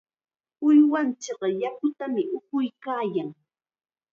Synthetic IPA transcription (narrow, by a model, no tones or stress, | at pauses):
ʊjwant͡ʃɪɢɑjakʊt̪amɪʔʊkʊjkaːjaŋ